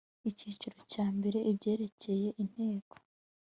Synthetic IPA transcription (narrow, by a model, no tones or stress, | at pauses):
iciːt͡ʃuɾo̞caːmbe̞ɾe̞ʔibɟe̞ːɾe̞ce̞je̞ʔin̥he̞ːko̥